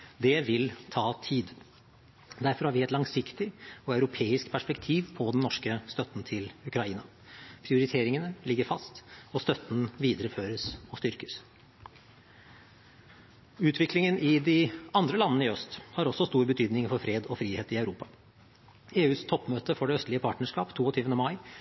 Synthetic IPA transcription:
d̪ɛʋɪlt̪ʰɑːt̪ʰiːd̪ | d̪æɾfɔɾhɑːɾʋɪɛt̪lɑŋsɪkt̪ɪɔœʉɾʊpʰeːɪskpʰæʂpɛkt̪ʰiːʋpʰɔd̪ɛnnːɔʂkəst̪œt̪n̩t̪ʰɪlʉkɾɑiːnɑ | pʰɾɪʊɾɪt̪ʰeːɾɪŋənəlɪɡːəɾfɑst̪ɔst̪œt̪n̩ʋiːd̪əɾəføːɾəsɔst̪ʏɾkə̥s | ʉːt̪ʰʋɪklɪŋənʔɪd̪ɪɑnd̪ɾəlɑnənəɪœst̪hɑɾɔsːɔst̪uːɾbət̪ʰyːd̪nɪŋfɔɾfɾeːd̪ɔfɾiːheːt̪ɪœʉɾuːpɑ | eːʉːst̪ʰɔpːmøːt̪əfɔɖɛœst̪lɪəpʰɑːʈnəʂkɑ̰ːpt̪ʰuːɔt̪ʰyːʋənəmɑɪ

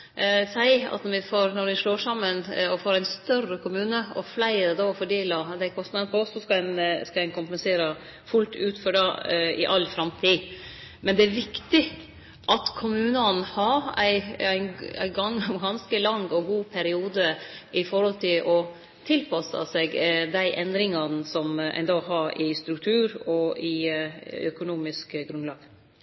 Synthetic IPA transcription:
sæɪɑ̰t̪nɔɾʋɪfoːɾnɔɾʋɪʂloːʂɑmːənɔfoːɾæɪnst̪œrəkʰʊmʉːnəɔ̰flæɪɾɛd̪oːɔfɔɖeːlɑd̪ɛkʰɔst̪nɑd̪pɔɔsːɔskɑænskɑæɪnkʰʊmpɛnseːɾə | fʉlt̪ʰʉːt̪fɔɖɑɪ̰ʔɑlːfɾɑmt̪ʰiː | mɛnd̪ɛæɾʋɪkt̪ɪ | ʔɑt̪kʰʊmʉːnɑnhɑɾæɪæɪnæ̰ɡɑŋɡɑnskəlɑŋːɔɡuːpʰæɾɪuːd̪əʔɪfɔɾhɔlt̪ʰɪlʔɔ | t̪ʰɪlpʰɑsɑ̰seːɡd̪æɪʔɛnd̪ɾɪŋɑnsɔmæ̰ɪnd̪oːɦɑɾɪst̪ɾʉk̚t̪ʰʉːɾɔɪ | œkʊnuːmɪskɡɾʉnlɑːɡ̥

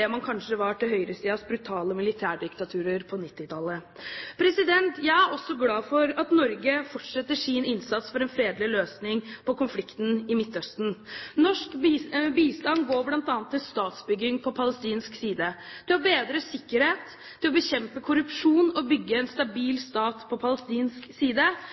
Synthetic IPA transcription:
ɛmɑnkʰɑnʂəʋɑʈɪlɦœʏɾəsiːɑsbɾʉt̪ʰɑːləmɪlɪt̪ʰæːɖɪkt̪ɑt̪ʰʉːɾəɾpʰɔnɪt̪ːɪt̪ʰɑlːəpʰɾɛsɪd̪ɛnt̪jæɪæɾɔsːɔɡlɑːfɔɾɑt̪nɔɾɡəfɔʈʂɛt̪ːəʂɪnɪnsɑt̪sfɔɾɛnfɾeːd̪lɪløːsnɪŋpʰɔkʊnflɪkt̪n̩ɪmɪt̪ːœst̪n̩nɔʂkːbiːst̪ɑnɡoːblɑnt̪ɑːnt̪ʰːɪlst̪ɑːt̪sbʏɡɪŋpʰɔpʰɑləst̪iːnsksiːd̪əd̪̥ʰɛɔbeːd̪ɾəsɪkːəɾheːt̪ʰː | ɪlɔbəçɛmpəkʰʊɾʉpʂuːnɔbʏɡːəɛnst̪ɑbiːlst̪ɑːt̪pʰɔpʰɑləst̪iːnsksiːd̪ə

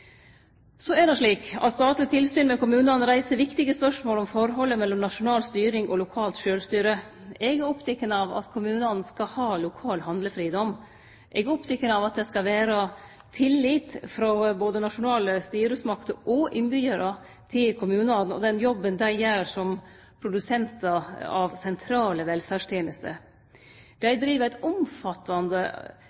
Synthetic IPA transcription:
sɔæɖɛʂɭiːkɑ̰t̪st̪ɑːt̪lɪt̪ʰɪlsyːnmɛkʊmʉːnɑn̩ɾæɪsəɾʋɪkt̪ɪɡəspœʂmoːlɔmfɔɾɦɔlːəmɛlːɔmnɑʂʊnɑːlst̪yːɾɪŋɔlʊkʰɑːlt̪ʃøːlst̪yːɾə | ɛɡæɾɔpt̪ʰɛkːənəɑʋɑ̰t̪kʰʊmʉːnɑnn̩skɑhɑːlʊkʰɑːlhɑnd̪ləfɾiːd̪ɔm | ʔɛɡəɔpt̪ʰɛkːənɑʋɑt̪̚d̪ɛskɑʋæːɾɑ | t̪ʰɪlːiːt̪fɾɔboːd̪ənɑʂʊnɑːləst̪yːɾʉsmɑkt̪əɾʔɔʔɪnbyːəɾə | t̪ʰɪlkʰʊmʉːnɑn̩ɔ̰d̪ɛnjɔbːənd̪æɪæɾʂɔm | pʰɾʊd̪ʉsɛnt̪ɑɑʋsɛnt̪ʰɾɑːləʋɛlfæːʂt̪ʰjeːnəst̪ə̰ | d̪̥æɪd̪ɾiːʋəɾæɪt̪ʊmfɑt̪ːɑnd̪ə̰

